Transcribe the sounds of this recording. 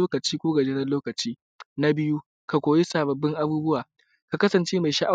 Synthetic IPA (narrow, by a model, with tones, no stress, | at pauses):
oː˦kɐ˨t͡ʃiː˦kʷoː˦ɡɐ˨d͡ʒeː˦nɐ˦loː˦kɐ˨t͡ʃiː˦ | na˦bɪ˦ju˦ | ka˨kʷoː˨je˦saː˨bɐ˨bːɪ˦ŋʔa˦buː˦bʊ˦waː˨ | ka˨kɐ˦sɐ˨nt͡ʃeː˦ma˨ʃa˦ʔa˦